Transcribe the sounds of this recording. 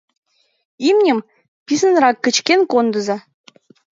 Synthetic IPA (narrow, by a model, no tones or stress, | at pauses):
imnʲɘ̆m | pʲis̬ə̆nrɑkːə̆t͡ɕkʲenkond̪ɤ̆zɑ